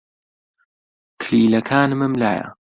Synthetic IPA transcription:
kʰliːlɐkʰaːnmɨmlaːja̰

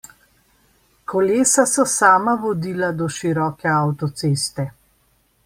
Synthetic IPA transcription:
kɔleːsasɔsaːmaʋɔd̪iːlad̪ɔʃiɾɔːkɛawt̪ɔt̪seːst̪ɛ

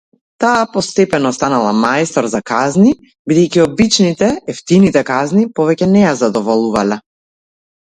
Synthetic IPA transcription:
t̪aːpɔst̪ɛpɛnɔst̪analˠamajst̪ɔɾzakazni | bid̪ɛjciɔbit͡ʃnit̪ɛɛft̪init̪ɛkaznipɔvɛcɛnɛjazad̪ɔvɔlˠuvalɛ

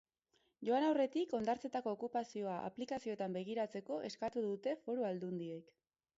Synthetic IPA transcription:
ʝo̞anawre̞t̪iko̞nd̪aɾt͡se̞t̪ako̞ːkupasio̞aʔa̰plikasio̞t̪ambe̞ɣ̞iɾat͡se̞ko̞ʔe̞skat̪uðut̪e̞fo̞ɾoald̪und̪ie̞k

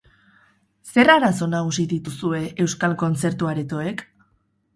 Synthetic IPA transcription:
se̞raɾaso̞naɣusiðit̪usue̞e̞wskalko̞nt͡se̞ɾt̪uaɾet̪o̞e̞k

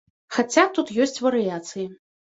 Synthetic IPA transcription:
xat͡sʲat̪ut̪jɔsʲt͡sʲvɐɾɨjat̪sɨji

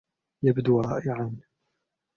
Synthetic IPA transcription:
jabd̪uːɾˤɑ̰ːʔɪʕan

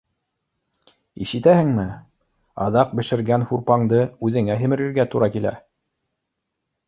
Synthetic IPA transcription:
ḭʃɘ̆t̪æhɘŋmɘ | ɑ̰ðɑq̚bɘ̆ʃɘ̆ɾɡænhuɾpɑɴd̪ɤʉðɘ̆ŋæɦɘ̆mɘ̆ɾiɾɡæt̪uɾɑkilæ̰

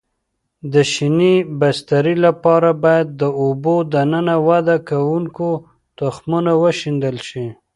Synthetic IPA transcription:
d̪əʃinibast̪aɾilapɑɾabɑjad̪̚ːəobod̪anənawad̪akawuŋko | t̪ʊxmunawəʃind̪əlʃi

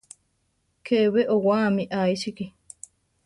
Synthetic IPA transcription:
kʰeβeʔowaːmĩʔaiʃiki

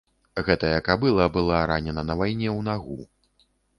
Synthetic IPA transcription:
ɣɛt̪ɐjɐkabɨlˠɐbɨlˠaɾanʲɛnɐnɐvajnʲɛwnaɣu

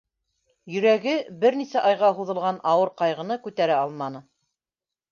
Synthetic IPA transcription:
jɵ̆ɾæɡɘbɘɾnisæʔɑjʁɑɦuðɤ̆lˠʁɑnʔɑwɤɾqɑjʁɤ̆nɤkʉt̪æɾæɑlˠmɑnɤ

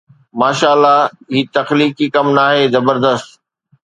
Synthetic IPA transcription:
maːʃaːlːa | ɦiːt̪ɐxliːkikɐmnaːɦezɐbəɾd̪əst̪

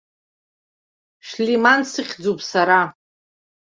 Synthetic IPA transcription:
ʂlimansɨχʲd͡zupʰʼsaɾa

